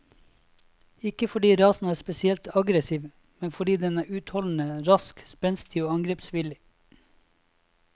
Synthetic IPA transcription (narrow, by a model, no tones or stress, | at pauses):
ɪkəfɔɖiːɾɑːsn̩æːspɛsɪɛlt̪ʰɑɡɾəsiːʋ | mɛnfɔɖiːd̪ɛnæːʉːt̪hɔln̩əɾɑskspɛnsɪ̥t̪ʰiːʋoːɑŋɡɾeːpsʋɪlɪ